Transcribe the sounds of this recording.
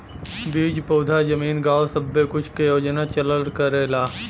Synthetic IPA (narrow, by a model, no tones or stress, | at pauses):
biːd͡ʒpoːd̪ʱad͡ʒəmiːnɡaːwsəbːekʊt͡ʃʰkejoːd͡ʒnat͡ʃɐləɽkəɾeːlaː